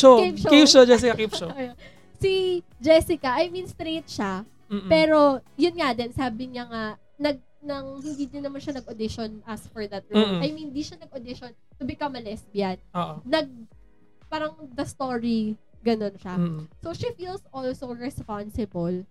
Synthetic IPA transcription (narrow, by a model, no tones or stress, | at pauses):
ʃokipʃopʃod͡ʒɛs̬ɪkɐkipʃojo | si | d͡ʒɛsɪkɐʔɐjmĩnst̪ɾejt̪̚ʃa | mːpɛːɾo̞jʊnŋɐd̪ɛnsaːbɪɲɐŋa | nɐɡ̚ | nɐŋhɪnd̪iːd̪ɪnɐmanʃɐnɐɡod̪ɪʃonʔɐsfɔɹd̪ɐt̪̚ɹumɐjmɪnd̪iʃɐnɐɡ̚od̪ɪʃon | t̪ʊbɪkɐmɐlɛsbɪjad̪oːʔ̪ːɐɡ̚ | paːɾɐŋd̪ɐst̪oɹi | ɡɐno̞nʃasoʃifilsʔɔlsoɹɛspansɪbol